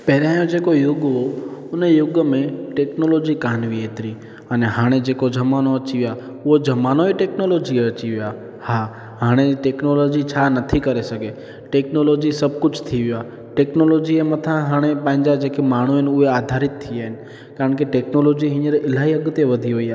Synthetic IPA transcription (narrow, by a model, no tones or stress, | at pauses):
pɛɦɾeɦãːjõd͡ʒekojʊɡɦoʊnejʊɡmẽʈeknolod͡ʒikaːɳʋiet̪ɾi | əneɦaːɽ̃ed͡ʒekod͡ʒʱəmanoət͡ʃiʋja | ʊɦod͡ʒəmanoiʈeknolod͡ʒieət͡ʃiʋja | ha | ɦaːɽ̃eʈeknolod͡ʒit͡ʃʰanət̪ʰikəɾesəke | ʈeknolod͡ʒisəb̚ʱkʊt͡ʃʰt̪ʰiʋja | ʈeknolod͡ʒiemət̪ʰãɦaːɽ̃epãɪ̃ɲd͡ʒad͡ʒekemaːɳ̤̃uɦenʊead̪ʱaɾɪt̪ʰːijaɦɪn | kaːɾəɳkeʈeknolod͡ʒiɦɪ̃ɲəɾɪlaiəɡt̪eʋəd̪ʱiɦoːiaː